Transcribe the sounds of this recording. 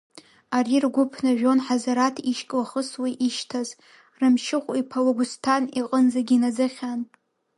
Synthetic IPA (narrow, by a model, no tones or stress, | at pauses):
aɾirɡʷʊpʰnɨʒᶣo̞nħazaɾatʰiʃkʲʼlaχəswiʔiʃtʰaz | rɨmʃɪχʷʼipʰaloɡʊstʰaniqʼənd͡zaɡʲinad͡zɨχʲan